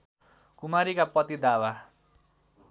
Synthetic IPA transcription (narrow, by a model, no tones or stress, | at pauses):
kumaɾikapʌt̪id̪awa